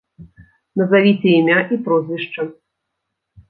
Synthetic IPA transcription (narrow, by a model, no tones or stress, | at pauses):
nɐzavʲit͡sʲɛimʲaʔipɾɔzʲvʲiʂt͡ʂɐ